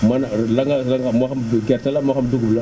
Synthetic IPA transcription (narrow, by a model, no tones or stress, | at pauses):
manalaŋɡalaŋamaxamɡʲeɾtalamaxamduɡubla